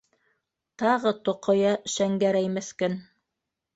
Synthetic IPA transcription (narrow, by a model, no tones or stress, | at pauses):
t̪ɑʁɤt̪ŏqŏjɑʃæŋɡæɾæjmɘ̆θkɵn